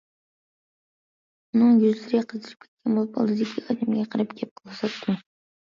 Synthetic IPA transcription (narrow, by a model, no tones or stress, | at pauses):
ʊnɨŋjyzlɪɾɡʲqʰɨzd̪ɨɾɨp̚ʲkʰʲe̥t̪̚kʲɛnbolˠɨpɑ̰lˠd̪ɨd̪ɪkʲʰiɑd̪æmɡʲɛqʰɑɾɑpɡʲɛp̚qʰɨlˠɨsɑt̪ːɪ